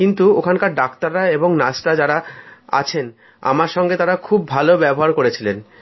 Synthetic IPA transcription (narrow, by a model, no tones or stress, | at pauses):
kint̪uokʰankaɾɖakt̪aɾːaeboŋnasɾad͡ʑaɾaa̰t͡ɕʰen | a̰maɾʃɔŋɡet̪aɾakʰubːʱalobɛboɦaɾkoɾet͡ɕʰilen